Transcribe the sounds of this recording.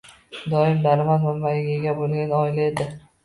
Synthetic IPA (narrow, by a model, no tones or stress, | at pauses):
d̪ɒɪmd̪aɾɪmazmambajɪɡʲeɡʲabolˠɡʲanɒɪlae̞d̪ɪ